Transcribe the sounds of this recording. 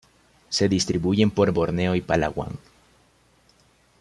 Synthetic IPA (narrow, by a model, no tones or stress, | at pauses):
se̞ðist̪ɾiβuʝe̞mpo̞ɾbo̞ɾne̞o̞ipala̰ɣwa̰ŋ